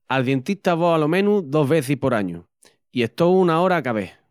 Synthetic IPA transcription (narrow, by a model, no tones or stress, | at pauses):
alðje̞nt̪it̪aβoalo̞mẽ̞nuðo̞ɦβe̞θihpo̞ɾaɲṵ | ie̞ht̪o̞wunao̞ɾakaβeh